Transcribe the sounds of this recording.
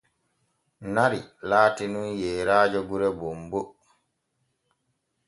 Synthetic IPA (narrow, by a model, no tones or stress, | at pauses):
naɾilaːtinunjɛːɾaːd͡ʒɔɡuɾɛbombo